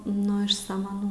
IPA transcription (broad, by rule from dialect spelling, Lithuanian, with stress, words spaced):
nʊ ɪʃ sɐmɐˈnuː